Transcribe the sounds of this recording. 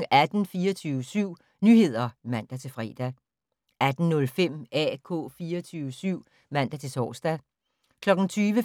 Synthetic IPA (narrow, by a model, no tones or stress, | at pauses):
ʔæd̥n̩fiːɐt͡sʰyːʋəsyʊ̰ | nyːhe̝ð̞̰ˠɐmæn̰d̥æt͡sʰe̝lfʁɛ̰ːd̥æ | æd̥n̩nɔ̽lfem̰ɛ̰ːkʰɔ̰̽ːfiːɐt͡sʰyːʋəsyʊ̰ | mæn̰d̥æt͡sʰe̝t͡sʰɒ̰ːsd̥æ | kʰlɒ̽ɡ̥n̩t͡sʰyːʋə